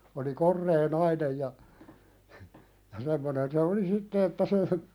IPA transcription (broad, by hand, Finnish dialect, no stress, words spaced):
oli korːeː nɑinej jɑ jɑ semːonen se oli sitːe etːæ se